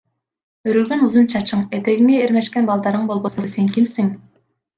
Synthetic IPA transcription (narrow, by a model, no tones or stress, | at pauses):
øɾylɡʲønuzunt͡ʃʰɑt͡ʃʰɯɴet̪eɡʲiŋeːɾmeʃkʲɛnbɑlˠd̪ɑɾɯɴbolˠbosɑseŋkʲʰimsiŋ